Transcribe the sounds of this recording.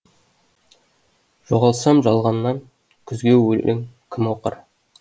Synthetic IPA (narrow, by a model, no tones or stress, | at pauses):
ʒ̥oʁɑlˠsɑmʒɑlˠʁɑnːɑŋ | kʲʰʏzɡʲe̞wɵlʔ̪ʔɪŋkʲʰɪmwoqə̰ɾ